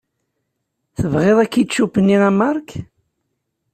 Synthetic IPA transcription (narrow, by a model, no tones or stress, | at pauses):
θəvʁeðˤækːit̪ʃupːənːiʁæmːɑɾˤk